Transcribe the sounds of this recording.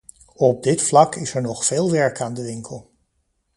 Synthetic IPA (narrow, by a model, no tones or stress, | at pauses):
ɔb̚dɪtflɑkɪsɛɹnɔχfeːlˠʋɛɹkaːndəʋɪŋkʰəlˠ